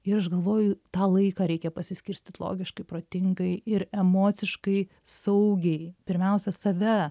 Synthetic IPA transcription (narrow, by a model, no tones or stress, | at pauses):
ɪɾɐʃɡɐlˠʋoːjʊt̪ɑːlˠɐɪkɑːɾʲɛɪkʲɛpɐsʲɪsʲkʲɪɾʲsʲt̪ʲɪt̪lˠo̰ːɡʲɪʃkɐɪpɾoːt̪ʲɪŋɡɐɪɪɾɛmoːt͡s̪ʲɪʃkɐɪ | sɐʊɡʲɛɪpʲɪɾʲmʲɛʊsʲɛsɐʋʲɛ